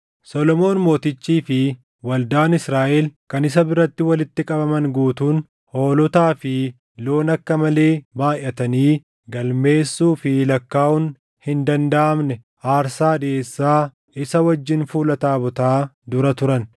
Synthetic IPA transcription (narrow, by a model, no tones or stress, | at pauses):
sɔlɔmo̞ːnmo̞ːt̪ɪt͡ʃːiːfɪ | wɐld̪aːnɪsɾaːʔɛlkɐnɪs̬ɐbɪɾɐt̪ːɪwɐlɪt̪ːɪkʼɐbɐmɐnɡuːt̪uːn | ho̞ːlʊt̪aːfɪ | lo̞ːnɐkːɐmɐle̞ːbaːjɐt̪ɐniː | ɡɐlme̞ːsːuːfɪlɐkːaːʔʊn | hɪnd̪ɐnd̪ɐʔɐmnɛ | ʔaːɾsaːd̪eːsːaː | ɪsɐwɐd͡ʒːɪnfuːlɐt̪aːbʊt̪aːd̪ʊɾɐt̪ʊɾɐn